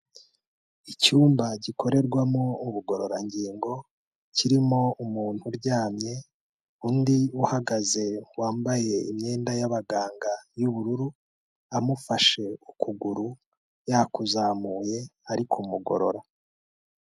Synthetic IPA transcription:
icuːmbaɟikʰo̞ɾe̞ɾɡwamo̞uβuɡo̞ɾo̞ɾaɲɟiːŋɡo̞ | ciɾimo̞umuːn̥huɾɟaːmɲe̞ | undiuhaɡaze̞waːmbaje̞imɲe̞ːndajaβaɡaːŋɡajuβuɾuɾu | amufaʃe̞ukuɡuɾu | jakuzaːmuːje̞aɾikʰumuɡo̞̰ɾo̞̰ɾa

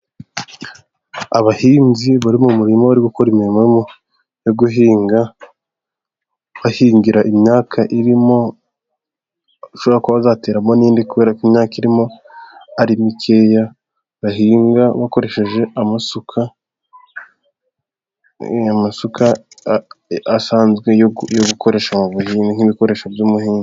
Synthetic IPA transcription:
aβahiːnziβaɾimumuɾimaβaɾiɡukoɾimiɾimamo | jo̞ɡuɦiːŋɡa | βahiːŋɡiɾaʔimɲaːkʰaʔiɾimo̞ | ʃo̞βɾakwaβazate̞ːɾamo̞niːndikuβe̞ːɾakimɲaːkiɾimo̞aɾimikʰe̞ja | βaɦiːŋɡaβako̞ɾe̞ʃe̞ʒe̞ʔamasukʰa | amasukʰa | asaːnzɡwe̞jjoɡukʰo̞ɾe̞ːʃamuβuhiːŋɡan̥iβiko̞ɾe̞ːʃobjumuhiːŋɡu

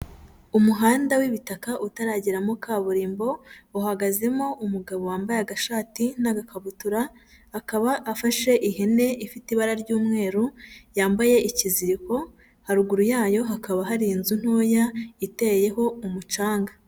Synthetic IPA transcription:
umuɦaːndawiβitakaʔutaɾaɟiɾamokʰaːβuɾiːmbo̞uɦaɡaze̞mo̞ʔumuɡaβowaːmbajeaɡaʃaːtinaɡakʰaβutuɾaː | kaβaʔːfaʃe̞ʔiɦe̞ne̞ʔifitiβaɾaɾɟuːmŋe̞ːɾujaːmbaje̞ʔiciziɾiko̞ | haɾuɡuɾujaːjo̞ɦakaβaɦaɾiːnzun̥hoːjaite̞je̞ɦo̞umut͡ʃaːŋɡa

